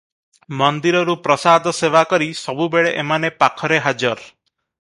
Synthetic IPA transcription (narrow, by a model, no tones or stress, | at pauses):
mɔnd̪iɾɔɾupɾɔsad̪ʱɔsewakɔɾisɔbubeɭeʔemanepakʰɔɾeɦad͡ʒɔɾ